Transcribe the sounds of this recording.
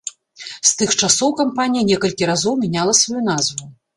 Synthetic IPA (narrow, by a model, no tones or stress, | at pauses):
st̪ɨxt͡ʂasɔwkampanʲijɐnʲɛkɐlʲkʲiɾazɔwmʲɛnʲalˠɐsvajunazvu